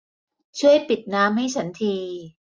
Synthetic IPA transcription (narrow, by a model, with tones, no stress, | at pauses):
t͡ɕʰu˥˩əjpi˨˩t̪̚naː˦˥mɦa˥˩jt͡ɕʰa˦˥nt̪ʰiː˧